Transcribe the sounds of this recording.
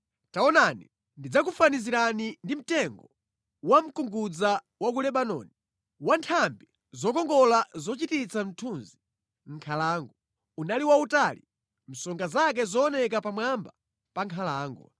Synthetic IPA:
taɔnanḭ | ndid͡zakufaniziɾanindim̩tɛŋɡɔ | wam̩kuŋɡud͡za | wak̬ulɛɓanɔ̰ni | wantʰambi | zɔkɔŋɡɔlazɔt͡ʃitit͡sʰam̩tʰunzi | ŋ̩kʰalaːŋɡɔ | unaliwautaːli | m̩sɔŋɡazak̬ɛzɔːnɛkapamwamba | paŋkʰalaːŋɡɔ̰

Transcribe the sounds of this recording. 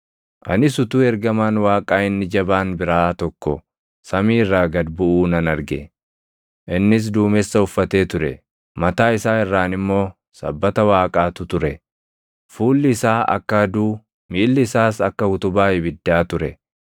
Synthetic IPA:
ʔɐ̰nɪsʊt̪uːɛɾɡɐmaːnwaːkʼaːɪnːɪd͡ʒɐbaːnbɪɾaːt̪ɔkːɔ | sɐmiːrːaːɡɐd̪bʊʔuːnɐnɐɾɡɛ | ʔɪnːɪs̬d̪uːmɛsːɐʊfːɐt̪e̞ːt̪ʊɾɛ̰ | mɐt̪aːɪsaːɛrːaːnɪmːo̞ː | sɐ̰bːɐt̪ɐwaːkʼaːt̪ʊt̪ʊɾɛ | fuːlːɪɪsaːʔɐ̰kːɐɐd̪uː | miːlːɪɪsaːsɐkːɐhʊt̪ʊbaːɪbɪd̪ːaːt̪ʊɾɛ

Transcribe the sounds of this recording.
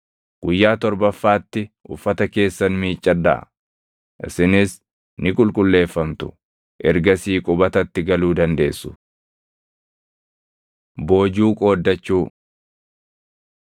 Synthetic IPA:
ɡ̥ʊjːaːt̪ɔɾbɐfːaːt̪ːɪʔʊfːɐt̪ɐke̞ːsːɐnmiːt͡ʃʼːɐd̪ːa̰ | ʔɪ̰sɪnɪs | nɪkʼʊlkʼʊlːe̞ːfːɐmt̪ʊ̥̰ | ʔɛɾɡɐsiːkʼʊbɐt̪ɐt̪ːɪɡɐluːd̪ɐnd̪e̞ːsːʊ̥ | bo̞ːd͡ʒuːkʼo̞ːd̪ːɐt͡ʃːuː

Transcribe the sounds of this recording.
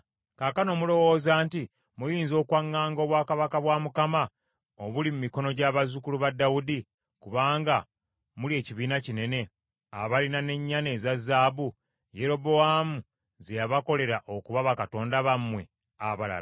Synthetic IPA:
kakano̞ːmulo̞wo̞ːzaːnti | mujiːnzo̞ːkwaŋːaːŋɡo̞ːβwaːkaβakaβwaːmukama | oβulimumiko̞no̞ɟaβazukuluβadːawudi | kuβaːŋɡa | mulie̞ːciβiːnacine̞ne̞ | a̰βalinane̞ɲːane̞ːzazːaːbu | je̞ɾo̞bo̞wamu | zejaβako̞le̞ɾaʔo̞kuβaβakato̞ːndaβamwe̞ | aβala̰la

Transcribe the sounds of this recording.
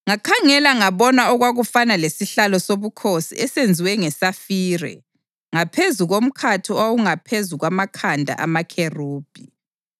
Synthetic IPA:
ŋakʰaŋɛlaŋaβɔnaɔɣwaɣufanalesiɬalɔsoβukʰosḭɛsend͡zʱiwɛŋɛsafiːrɛ̰ | ŋapʰezuɣom̩kʰatʰiawuŋapʰezuɣwamakʰandʱa̰ʔa̰makʰeruːb̥ʱi

